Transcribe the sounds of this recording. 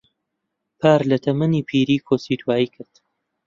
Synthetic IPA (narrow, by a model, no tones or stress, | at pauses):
pʰaːɾlɐt̪ʰɐmɐniːpʰiːɾiːkʰosiːt̪ʰwaːjiːkʰɨɾd̪̥